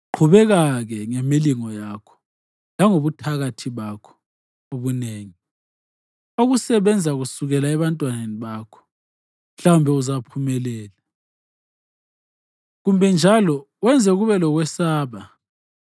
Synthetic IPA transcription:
ǃʰuβɛɣaɣɛŋemiliŋɔjaːkʰɔ̥ | laŋoβutʰaɣatʰiβakʰɔ̥ | oβuneːŋi | oɣusɛβɛnd͡zʱaɣusuɣɛlaɛβantʼwaneniβaːkʰɔ̥ | m̩ɬawumbʱɛuzapʰumɛlɛːla | ɣumbʱɛnd͡ʒʱalɔ | wɛnd͡zʱɛɣuβɛlɔɣwɛsaːβa

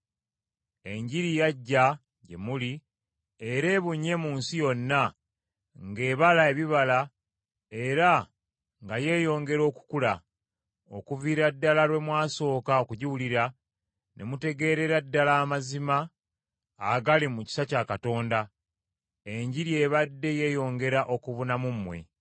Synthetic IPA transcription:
e̞ɲɟiɾijaɟːa | je̞̰muli | e̞ɾe̞ːβuɲːe̞muːnsijo̞nːa | ŋɡe̞ːβalae̞βiβala | e̞ɾa | ŋɡaje̞ːjo̞ːŋɡe̞ɾo̞ːku̥kula | o̰kuviːɾadːalaɾwe̞mwaːso̞ːkaokuɟiwuliɾa | nʔe̞mute̞ɡe̞ːɾe̞ɾadːalaːmazimaː | ɡalimuci̥sacakato̞ːnda | e̞ɲɟiɾje̞ːβadːe̞je̞jo̞ːŋɡe̞ɾaʔo̞kuβunamumwe̞̰

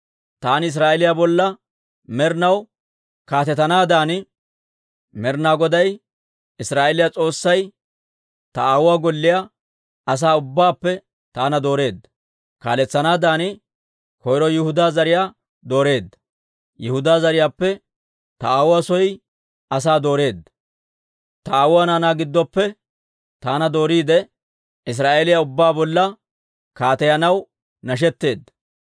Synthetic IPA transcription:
t̪aːnɪɪs̬ɾaːʔɛlɪjabɔlːɐ | mɛɾnɐw | kaːt̪ɛt̪ɐnaːd̪aːnɪ | mɛɾnaːɡɔd̪ɐj | ɪsɾaːʔɛlɪjat͡sʼo̞ːsːɐj | t̪ɐaːwʊwaːɡɔlːɪja | ɐs̬aːʊbːaːpːɛ | t̪aːnɐd̪o̞ːɾe̞ːd̪ːɐ̥ | ka̰ːlɛt͡sːɐnaːd̪aːnɪ | kɔjɾɔjɪhʊd̪aːzɐɾɪjaː | d̪o̞ːɾe̞ːd̪ːɐ̥ | jɪhʊd̪aːzɐɾɪjaːpːɛ | t̪ɐaːwʊasɔj | ɐs̬aːd̪o̞ːɾe̞ːd̪ːɐ̥ | t̪ɐaːwʊaːnaːnaːɡɪd̪ːɔpːɛ | t̪aːnɐd̪o̞ːɾiːd̪ɛ | ɪs̬ɾaːʔeːlɪjɐʊbːaːbɔlːɐ | kaːt̪ɛjɐnɐw | nɐʃ̬ɛt̪ːe̞ːd̪ːɐ̥

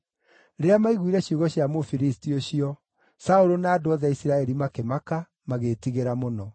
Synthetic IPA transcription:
ɾeeamaiɣwiɾɛɕjuɣɔɕjamofiɾistioɕiɔ | saoɾonaːdoɔðaisiɾaɛɾimakemaka | maɣetiɣeɾamonɔ

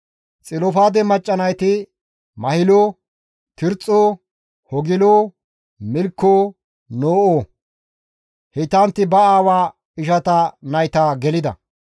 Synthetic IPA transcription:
t͡sʼɪlɔfaːd̪ɛmɐt͡ʃʼːɐnɐjt̪ɪ | mɐhɪlo | t̪ɪɾt͡sʼːoː | hɔɡɪloː | mɪlkːoː | noːʔoː | hɪt̪ːɐnt̪ːɪbɐaːwaː | ɪʃɐt̪ɐnɐjt̪aːɡɛlɪd̪ɐ̰

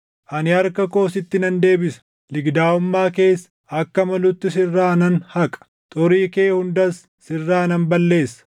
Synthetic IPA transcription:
ʔɐnɪɐɾkɐko̞ːsɪt̪ːɪnɐnd̪e̞ːbɪsɐ̥ | lɪɡd̪aːʊmːaːke̞ːsːɐ̥ | ɐkːɐmɐlʊt̪ːɪs̬ɪrːaːnɐnhɐkʼɐ̥ | t̪ʼʊɾiːke̞ːhʊnd̪ɐsːɪrːaːnɐnbɐlːe̞ːsːɐ̥

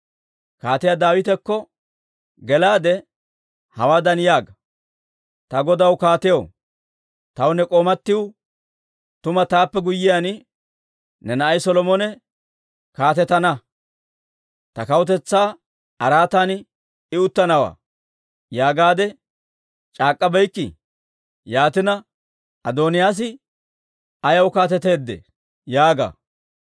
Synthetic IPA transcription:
kaːt̪ɪjad̪aːwɪt̪ɛkːɔ | ɡɛlaːd̪ɛ | hɐwaːd̪ɐnjaːɡɐ | t̪ɐɡɔd̪ɐwkaːt̪ɪjow | t̪ɐwnɛkʼoːmɐt̪ːɪw | t̪ʊmɐt̪aːpːɛɡʊjːɪjan | nɛnɐʔɐjsɔlɔmɔnɛ | kaːt̪ɛt̪ːɐnɐ | t̪ɐkɐwʊt̪̬ɛt͡sːaː | ɐɾaːt̪aːn | ɪʊt̪ːɐnɐwa̰ː | jaːɡaːd̪ɛ | t͡ʃʼaːkʼːɐbɛjkːɪ̰ | jaːt̪ɪnɐ | ʔɐd̪oːnɪjaːs̬ɪ | ɐjɐwʊkaːt̪ɛt̪e̞ːd̪ːɛ̰ | jaːɡa̰ː

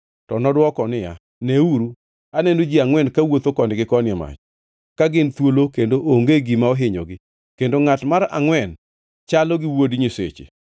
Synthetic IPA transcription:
tɔnɔdwɔkɔnɪja̰ | neuɾu | anɛnod͡ʒiaŋwɛnkawot̪okɔnɪɡɪkɔnɪɛma̰t͡ʃ | kaɡɪnt̪wolokendoʔoŋɡeɡimaɔɦɪɲɔ̰ɡɪ | kendoŋatmaɾa̰ŋwɛn | t͡ʃalɔɡɪwodɲisḛt͡ʃḛ

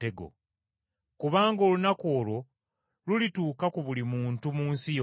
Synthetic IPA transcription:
eɡo̰ | kuβaːŋɡo̞ːlunako̞ːlo̞ | lulituːkakuβulimuːntumuːnsijo

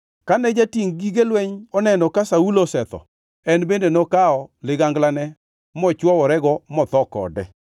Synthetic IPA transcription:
kanɛd͡ʒatiŋɡiɡelwɛɲɔnɛnɔkasaulosɛt̪ɔ̰ | ɛnbendenɔkaɔlɪɡaŋɡlanɛ | mɔt͡ʃwɔwɔɾɛɡɔmɔt̪ɔkɔ̰dɛ

